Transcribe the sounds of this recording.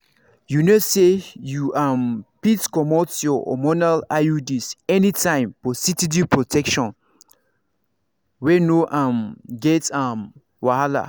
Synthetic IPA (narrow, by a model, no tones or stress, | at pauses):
junosejuʔãmpitkɔmɔtsjɔɔ̰mɔnalaudisɛnitʰãɪ̃mfɔsitidipɹɔtʰɛkʃɔ̃n | wɛnoʔãmɡɛtãm | wahala̰